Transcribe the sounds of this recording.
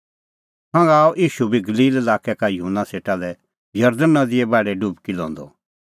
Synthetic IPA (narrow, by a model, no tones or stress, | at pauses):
ɦãŋɡaːɔʔiːʃubʱiɡɐliːlɛlaːkɛkajəɦunːaseːʈalɛ | jɐɾd̪ənːad̪ɪɛbɛːɽɛɖubkilɔ̰̃ːnd̪ɔ̰